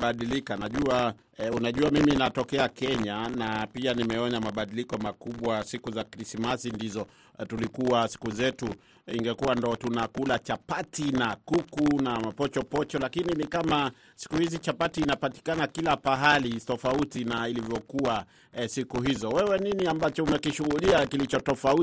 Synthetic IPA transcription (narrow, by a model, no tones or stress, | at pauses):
aɗilikanaʄua | unaʄuamiminatɔkɛakɛɲanapianimɛɔɲamaɓaɗilikɔmakuɓwasikuzakɾismasindizɔ | tulikuasi̥kuzɛtu | ḭŋɡɛkuwandɔtunakulat͡ʃapatinakukunamapɔt͡ʃɔpɔt͡ʃɔlakininikama | si̥kuhizit͡ʃapatiːnapati̥kanakilapaɦalitɔfautinailivjɔkua | sikuhizɔwɛwɛniniambat͡ʃɔumɛkiʃuɣuɗiakilit͡ʃɔtɔfau